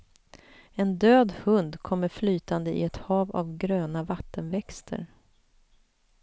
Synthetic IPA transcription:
ɛnd̪øːd̪hɵnd̪kʰɔmːəɾflyːt̪and̪əʔɪ̰ɛt̪hɑːva̰vɡɾøːnavat̪ːənvɛkst̪ʰə̰ɾ

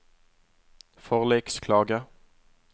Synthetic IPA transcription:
fɔʁlɛkskʰlɑːɡa

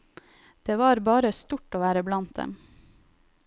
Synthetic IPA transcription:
d̪̥eːʋɑːɾbɑːɾəst̪ʊʈoːʋæːɾəblɑnt̪̚d̪ɛ̰m

